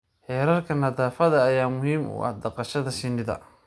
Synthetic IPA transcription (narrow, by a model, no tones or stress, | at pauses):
ħɛːɾɐrkʰɐnɐðaːfɐðɐːjaːmʊhiːmʊ̰ːʔɑ̰hd̪ɐqɑʃɐðɐʃɪnɪðɐ̰